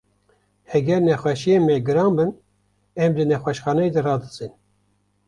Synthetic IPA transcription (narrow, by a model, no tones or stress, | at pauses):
hɛɡʲɛɾnɛxʷɛʃijeːnmɛɡɨɾɑːnbɨn | ɛmd̪ɨnɛxʷɛʃxɑːnɛjed̪ɨrɑːd̪ɨzin